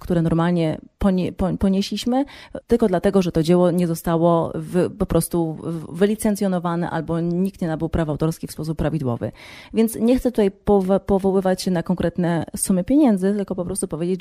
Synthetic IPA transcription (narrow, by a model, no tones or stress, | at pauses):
kt̪uɾɛnɔɾmalɲɛpɔpɔpɔɲeɕlʲiɕmɘt̪ɘlkɔd̪lat̪ɛɡɔʐɛt̪ɔd͡ʑɛwɔɲɛzɔst̪awɔvɘpɔpɾɔst̪uvɘlʲit̪sɛnt̪sʲjɔnɔvanɛ̰ʔa̰lbɔɲik̚t̪ɲɛnabɘwpɾafawt̪ɔɾskʲifspɔs̬upːɾavʲid̪wɔ̰vɘ̰vʲjɛnt̪sɲɛxt̪ɛt̪ut̪ajpɔvpɔvɔwɘvat͡ɕnakɔŋkɾɛt̪nɛsumɘpʲjeɲɛnd̪zɘt̪ɘlkɔpɔpɾɔst̪upɔvʲjed͡ʑet͡ɕ